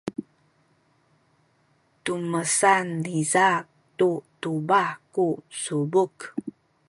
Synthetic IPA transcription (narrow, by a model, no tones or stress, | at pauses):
tuməsanːiza | tutubakusubuk